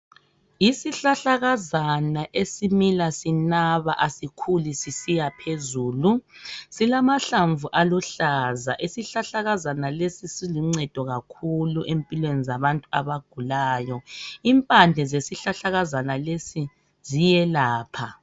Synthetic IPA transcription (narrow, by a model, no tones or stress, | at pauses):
isiɬaɬaɣazanaʔesimilasinaβa̰ʔasikʰulisisijapʰezuːlusilamaɬaɱvuʔaluɬaza̰ʔisiɬaɬaɣazanalesisiliŋ͡ǀɛd̥ʱɔɣakʰuluʔempʼilwenizaβantʼuaβaɡ̥ʱulaːjɔimpʼand͡ɮʱɛzesiɬaɬaɣazanalesi | z̥ijɛlaːpʰa